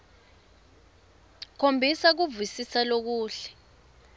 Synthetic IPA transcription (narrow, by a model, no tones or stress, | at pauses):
kʰombʱisak̬uvisisalok̬uːɬɛ̥